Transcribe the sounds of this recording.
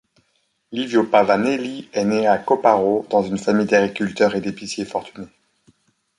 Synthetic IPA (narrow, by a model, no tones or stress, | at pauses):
livjopavaneliɛneakɔpaʁod̪ɑ̃zynfamijd̪aɡʁikʲylt̪œʁed̪episjefɔʁt̪yne